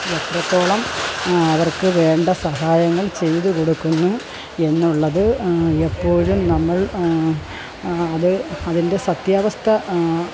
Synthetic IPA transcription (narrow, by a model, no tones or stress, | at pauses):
et̪rɐt̪ːo̞ːɭɐmɐʋɐrkɨʋe̞ːɳɖɐsɐɦaːjɐŋːɐɭt͡ɕe̞jt̪uko̞ɽukːunːu | e̞nːuɭːɐðɨepːo̞ːɻumnɐmːɐɭ | ɐðɨɐðinde̞sɐt̪jaːʋɐst̪ʰɐ